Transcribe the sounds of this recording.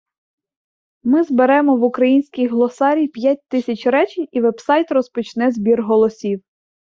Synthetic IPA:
mɪzbeɾɛmɔʋʊkɾɐjinʲsʲkʲijɦlˠɔsɑɾʲijpʲjat̚ʲt̪ɪsʲɐt͡ʃʲɾɛt͡ʃɪnʲiʋɛbsɑjt̪rɔspɔt͡ʃnɛzbʲirɦɔlˠɔsʲiw

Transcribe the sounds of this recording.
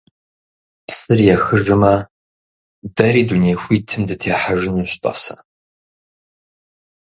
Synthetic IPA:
psɨrjɛxɨʒɨmɐ | dɐɾiːduneːjxʷiːtʰɨmdɨtʰeːħaʒɪnuːɕtʼɐ̰sɐ

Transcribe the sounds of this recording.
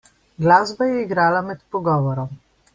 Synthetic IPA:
ɡlaːzbajɛiɡɾaːlamɛt̪pɔɡɔːʋɔɾɔm

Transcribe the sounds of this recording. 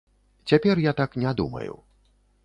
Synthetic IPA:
t͡sʲapʲɛrjat̪aknʲɛd̪umɐ̰jṵ

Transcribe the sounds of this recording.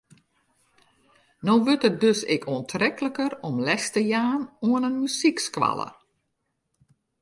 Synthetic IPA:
noːʋøtət̚døsɪ̰kʰuəntʰrɛkləkərɔmlɛstəjaːnuənənmysikskʋa̰lˠə̰

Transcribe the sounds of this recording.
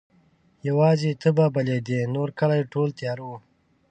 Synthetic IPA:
jawɑːzet̪ʰəbabaled̪enoɾkəlajʈoːlt̪jɑːɾu

